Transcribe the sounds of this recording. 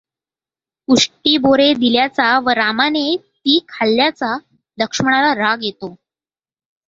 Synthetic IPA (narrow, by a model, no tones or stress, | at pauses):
uʂʈiːboɾed̪iljat͡saʋəɾamanet̪iːkʰalːjat͡sa | d̪əkʂməɳalaɾaɡjet̪o